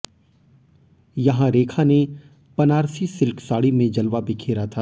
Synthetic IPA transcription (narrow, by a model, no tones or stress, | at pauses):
jɐɦãɾeːkʰane | pɐnaːɾsisɪlksaːɽimẽd͡ʒɐlʋabʱikʰeːɾat̪ʰaː